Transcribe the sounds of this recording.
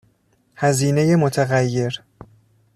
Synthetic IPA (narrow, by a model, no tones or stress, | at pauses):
hæziːne̞jemot̪ʰæɣæjːe̞ɾ